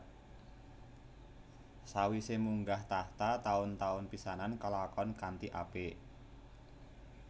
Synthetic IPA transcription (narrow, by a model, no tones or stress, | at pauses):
sawisemuŋɡaht̪aht̪at̪aʊnt̪aʊnpisanankəlakɔnkant̪iʔa̰pe